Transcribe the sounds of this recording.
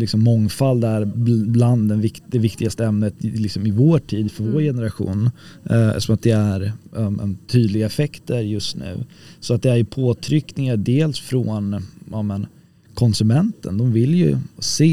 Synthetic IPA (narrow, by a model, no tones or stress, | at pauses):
lɪksɔmːɔŋfald̪æɾbland̪ːɛnvɪkd̪ɛvɪkt̪ɪɡast̪əɛmnət̪lɪksɔmɪvoːʈʰiːd̪fœɾvoːɾjɛnəɾaɧṵːn | sɔmat̪̚d̪ɛæɾmɛ̰nt̪ʰyːd̪lɪɡaɛfɛkt̪əɾjɵst̪nʉ̟̰ː | sɔat̪̚d̪ɛæɾjʏpʰoːt̪ʰɾʏkːnɪŋaɖeːlsfɾɔnɑmɛn | kʰɔnsɵmɛnt̪ə̰nd̪ɔmvɪljɵ̰seː